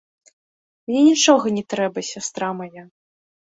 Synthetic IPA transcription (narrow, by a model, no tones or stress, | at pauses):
mnʲɛnʲit͡ʂɔɣɐnʲɛt̪ɾɛbɐsʲast̪ɾamaja